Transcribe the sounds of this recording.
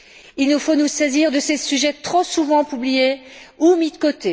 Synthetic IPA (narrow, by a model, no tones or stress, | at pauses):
ilnufonusɛziʁd̪əsesyʒɛt̪χosuvɑ̃pyblijeumid̪əkot̪e